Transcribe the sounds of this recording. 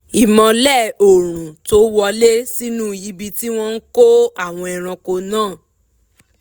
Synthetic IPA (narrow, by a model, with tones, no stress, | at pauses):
i˨mɔ̃˧lɛ˦˨o˨ɾ̃ũ˨to˨˦wɔ˧˦le˦si˦nũ˦˨ji˦bi˧ti˦w̃ɔ̃˦n̩˦ko˦a˦˨w̃ɔ̃˧ɛ˨ɾ̃ɔ̃˧ko˧nãː˦˨